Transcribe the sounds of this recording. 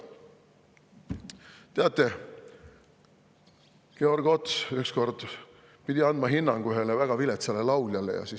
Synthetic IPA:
t̪e̞ɑt̪ːˑe̞ | ke̞o̞rɡ̥o̞t̪syksko̞rd̪̥ | pid̪ʲiɑnd̪mɑɦinːɑŋɡ̥yɦelevæɡ̥ɑvilet̪sɑlelɑwlʲjɑlḛjɑ̰si

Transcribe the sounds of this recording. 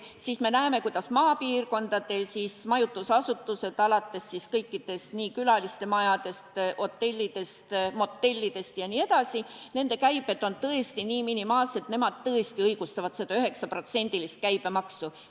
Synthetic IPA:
sisme̞næeme̞kujd̪̥ɑsmɑːpiːrko̞nd̪̥ɑd̪̥e̞sismɑjut̪ːˑusɑsut̪ːˑuse̞d̪̥ɑlɑt̪ːe̞sːiskɤjkˑːid̪̥e̞st̪niːkylɑlist̪e̞mɑjɑd̪̥e̞st̪ʔo̞t̪ːe̞lʲːid̪̥e̞st̪mo̞t̪ːe̞lʲːid̪̥e̞st̪jɑnie̞d̪̥ɑsine̞nd̪e̞kæjb̥e̞t̪ːo̞nt̪ɤe̞st̪iniːminimɑːlse̞t̪ne̞mɑd̪̥̚t̪ɤest̪iɤjɡ̥ust̪ɑvɑt̪sed̪ɑyɦe̞ksɑpro̞t̪se̞nʲd̪̥ilist̪̚kæjb̥e̞mɑksu

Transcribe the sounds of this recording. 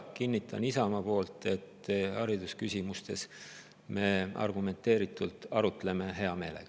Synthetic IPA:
kinʲːit̪ʰːˑɑ̰nisɑmɑpo̞ːlt̪ˑe̞t̪ːhɑɾid̪uskysʲimust̪e̞s | me̞ɑ̰rɡume̞nt̪ːˑe̞ːɾit̪ːˑult̪ɑɾut̪ːˑle̞me̞ɦe̞ɑme̞ːleɡ̥ɑ

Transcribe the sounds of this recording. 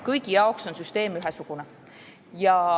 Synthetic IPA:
kɤjɡijɑokso̞nsyst̪e̞ːmyɦɛsuɡ̥une | jɑ

